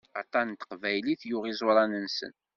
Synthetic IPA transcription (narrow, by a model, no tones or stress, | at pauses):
ɑ̰t̪ˤɑnt̪ə̥qvæjliθjʊʁizˤʊɾˤɑnənsə̰n